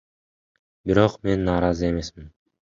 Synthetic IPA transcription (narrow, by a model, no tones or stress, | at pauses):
biɾo̞qme̞nːɑːɾɑzɯe̞me̞smin